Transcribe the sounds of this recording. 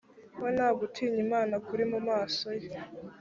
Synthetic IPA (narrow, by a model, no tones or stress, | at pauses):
wenaːɡutʰiːɲimaːnakuɾimumaːsoje